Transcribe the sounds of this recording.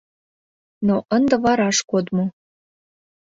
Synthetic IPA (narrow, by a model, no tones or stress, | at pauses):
noʔənd̪ə̆βɑɾɑʃkod̪mo